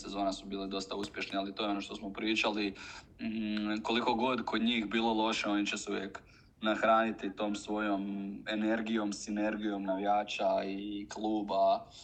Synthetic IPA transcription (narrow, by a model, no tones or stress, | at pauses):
sezo̞ːnasubiːlid̪o̞st̪auspje̞ʃnialit̪ojeo̞noʃt̪osmopɾiːt͡ʃali | ko̞liko̞ɡo̞d̪kʰo̞d̪ɲiːxbiːlˠo̞lˠo̞ʃeo̞nit͡ɕesɛuʋjḛk | naxɾaːnit̪it̪o̞ːmsʋo̞jomene̞ɾɡijo̞msine̞ɾɡijo̞mnaʋijaːt͡ʃaiklˠuːba